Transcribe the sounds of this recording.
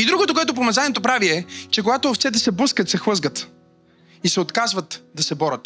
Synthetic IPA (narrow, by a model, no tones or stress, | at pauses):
id̪ɾuɡot̪okoɛt̪̬op̬omɐzanʲiɛt̪opɾaviɛt͡ʃɛk̬oɡat̪oːft̪sɛt̪ɛsɛbəskət̪sɛxˠɤzɡət̪ | isɛot̪kazvət̪d̪ɐsɛbɔɾət̪